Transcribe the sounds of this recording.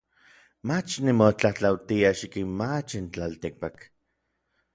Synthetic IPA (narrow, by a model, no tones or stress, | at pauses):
mat͡ʃnimot͡ɬaht͡ɬawt̪iaʃikinmat͡ʃint͡ɬalt̪ik̚pak